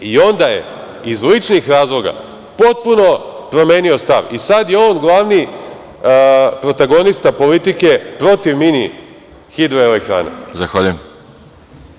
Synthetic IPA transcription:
io̞nd̪ajḛ | izlit͡ʃnixɾaːzlˠo̞ɡa̰ | po̞t̪̚puno̞pɾo̞me̞ːnio̞st̪a̰ʋisad̪je̞o̞ːnɡlˠaʋni | pɾo̞t̪aɡo̞nist̪apo̞lit̪ike̞pɾo̞t̪iʋmini | xid̪ɾoelekt̪ɾa̰ːna̰zaxʋaʎujem

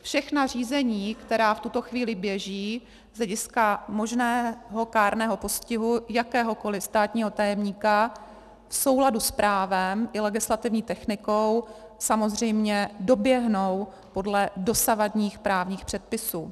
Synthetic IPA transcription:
fʃɛxnar̝iːzɛɲiːkt̪ɛɾaːft̪ut̪o̞xviːlɪbjɛʒiː | z̥lɛɟɪskamo̞ʒnɛːɦo̞kaːɾnɛːɦo̞po̞scɪɦujakɛːɦo̞ko̞lɪst̪aːt̪ɲiːɦo̞t̪ajɛmɲiːka | fso̞wladuspɾʔaːvɛmʔɪlɛɡɪslat̪ɪvɲiːt̪ɛxnɪkow | samozr̝ɛjmɲɛdo̞bjɛɦnow | po̞dlɛdo̞savadɲiːxpɾaːvɲiːxpr̥ɛt̪̚pɪsuː

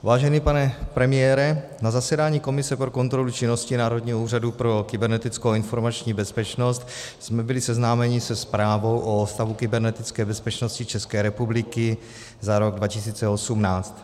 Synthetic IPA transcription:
vaːʒɛniːpanɛpɾɛmɪjɛːɾɛ | nazasɛdaːɲiːko̞mɪsɛpɾoko̞nt̪ɾo̞lut͡ʃɪno̞scɪnaːɾo̞dɲiːɦouːr̝adupɾo̞kɪbɛɾnɛt̪ɪt͡skowɪnfo̞ɾmat͡ʃɲiːbɛspɛt͡ʃno̞st̪ | smɛbɪlɪsɛznaːmɛɲɪsɛspɾaːvo̞wʔost̪avukɪbɛɾnɛt̪ɪt͡skɛːbɛspɛt͡ʃnoscɪt͡ʃɛskɛːɾɛpublɪkɪ | zaɾo̞ɡdvacɪs̬iːt͡sɛo̞sumnaːt͡st̪

